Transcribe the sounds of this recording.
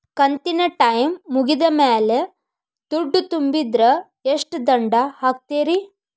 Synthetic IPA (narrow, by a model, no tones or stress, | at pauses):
kɐnt̪inɐʈɐjmːuɡid̪ɐmeːle | d̪̥uɖːut̪umbid̪ɾɐ | eʂʈd̪ɐɳɖɐhaːk̚t̪eːɾi